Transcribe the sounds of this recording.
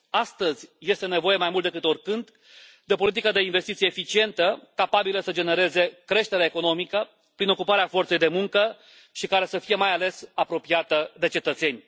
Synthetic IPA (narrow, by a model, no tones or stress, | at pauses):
ast̪əzʲje̞st̪e̞ne̞vo̞je̞majmult̪ekɨt̪o̞rkɨnd̪ | d̪e̞po̞lit̪ikəd̪e̞inve̞st̪it̪sijefit͡ʃie̞nt̪əkapabiləsəd͡ʒe̞ne̞ɾe̞ze̞kɾe̞ʃt̪eɾeaeko̞no̞mikə | pɾino̞kupaɾeafo̞rt̪se̞jd̪e̞muŋkə | ʃikaɾe̞səfije̞majale̞sapɾo̞piat̪əd̪e̞t͡ʃe̞t̪ət̪se̞nʲ